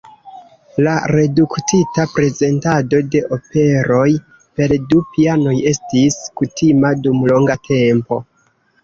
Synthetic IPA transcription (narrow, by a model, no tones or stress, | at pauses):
laɾe̞duktitapɾe̞ze̞ntado̞de̞ʔo̞pe̞ɾo̞j | pe̞ldupiano̞je̞stiskutʰimadumlo̞ŋɡatʰe̞mpo̞̰